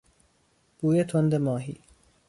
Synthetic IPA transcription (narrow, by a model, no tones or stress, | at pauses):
b̥uːjet̪ʰond̪emɒːɦḭː